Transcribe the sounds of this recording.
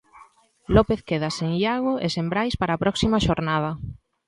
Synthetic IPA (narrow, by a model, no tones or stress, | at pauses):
lɔpeθkeðɐseŋiaɣʊesembɾajspaɾaːpɾɔksimɐʃoɾnað̞ɐ